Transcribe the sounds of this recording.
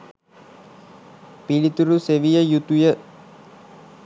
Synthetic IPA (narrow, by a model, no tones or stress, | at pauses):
pilit̪uɾuseʋijəjut̪ujə